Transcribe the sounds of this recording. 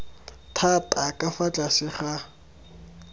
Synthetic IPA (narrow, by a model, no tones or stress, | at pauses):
tʰatʼakʼafat͡ɬʼasɪχa